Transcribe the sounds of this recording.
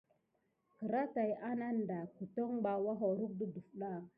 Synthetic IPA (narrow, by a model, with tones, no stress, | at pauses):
kə˨ɾa˦ta˨jʔa˦na˦n˨da˨ku˨to˦ŋba˨wa˦ɦo˨ɾu˦k̚du˦du˨fɗa˦˨